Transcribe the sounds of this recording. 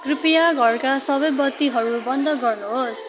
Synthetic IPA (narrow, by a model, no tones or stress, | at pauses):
kripijaɡʱʌrkasʌbʌjbʌt̪ːiɦʌɾubʌnd̪ʱʌɡʌrnuɦos